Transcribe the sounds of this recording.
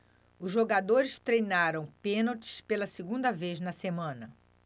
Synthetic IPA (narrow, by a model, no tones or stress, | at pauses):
ʊzʒoɡad̪oɾɪst̪ɾejnaɾɐ̃w̃pẽnot͡ʃɪ̥spelɐseɡũnd̪ɐvejznɐsemɐ̃nɐ